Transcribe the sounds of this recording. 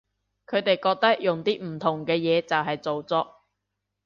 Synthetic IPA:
kʰɵ˨˧ɥt̪e˨jkɔː˧k̚t̪ɐ˥k̚jʊ˨ŋt̪iː˥m̩˨˩t̪ʰʊ˨˩ŋkɛː˧jɛː˨˧t͡sɐ˨wɦɐ˨jt͡so˨wt͡sɔː˧˥k̚

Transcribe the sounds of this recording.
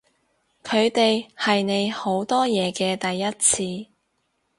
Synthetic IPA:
kʰɵ˨˧ɥt̪e˨jhɐ˨jne˨˧jho˨˥wt̪ɔː˥jɛː˨˧kɛː˧t̪ɐ˨jːɐ˥t̚t͡sʰiː˧

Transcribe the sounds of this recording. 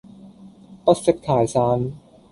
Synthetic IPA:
pa˦˥se˦˥tkʰːaː˩˦jsaː˧˥n

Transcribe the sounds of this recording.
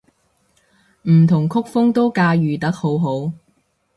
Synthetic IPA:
m̩˨˩t̪ʰʊ˨˩ŋkʰʊ˥k̚fʊ˥ŋt̪o˥wkaː˧jyː˨˩t̪ɐ˨˥k̚ho˨˥wɦo˨˥w

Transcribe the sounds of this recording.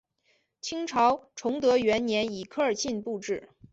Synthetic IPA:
t͡ɕʰi˥ŋʈ͡ʂʰɑ˧˥ʊʈ͡ʂʰʊ˧˥ŋt̪ɤ˧˥ɥɛ˧˥nnjɛ˧˥ni˨˩kʰɤ˥˧ə˞˨˩ɕʰi˥˧npu˥˧ʈ͡ʂɻ̩˥˩

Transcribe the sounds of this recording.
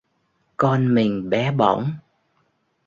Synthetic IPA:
kɔ˧nmï˨˩ŋ̟ɓɛ˨˦ɓɔ̰˧˩wŋ͡m

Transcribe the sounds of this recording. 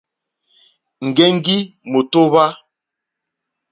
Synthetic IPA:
ŋ̩˨ɡɛ˦ŋ˦ɡi˦mo˨to˦βa˦

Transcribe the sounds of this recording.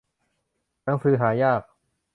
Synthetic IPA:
na˧˥ŋsɯː˧˩ɦaː˩˦jaː˥˩k̚

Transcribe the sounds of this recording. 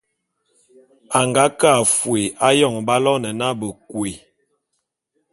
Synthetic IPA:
a˨ŋɡa˨˦ka˦˨fwe˨a˦jɔ˦˨ŋba˦lɔ˦nɛ˨na˦bə˨kwe˨

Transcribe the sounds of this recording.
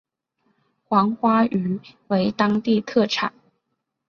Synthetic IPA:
xwɑ˧˥ŋxwa˥y˧˥we˧˥ɪt̪ɑ˥ŋt̪i˥˧t̪ʰɤ˥˩ʈ͡ʂʰa̰˨˩˦ŋ

